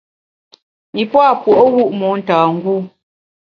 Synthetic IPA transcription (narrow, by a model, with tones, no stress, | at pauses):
mi˨pwa˦˨pwɔ˨ʔo˦ɣu˦ʔmɔ˨˦n̩˨taː˨ŋ̩˦ɡu˦˨